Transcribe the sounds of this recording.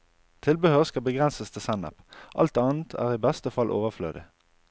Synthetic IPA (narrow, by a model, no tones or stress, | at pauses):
t̪ʰɪlbəhøːʁəskɑlbəɡʁɛnsəst̪ʰɪsænə̰pʔɑ̰lt̪ɑːn̩t̪ʰæ̰ːʁiːbɛst̪əfɑlʔo̰ːʋəʁflø̰ːd̪ɪ̰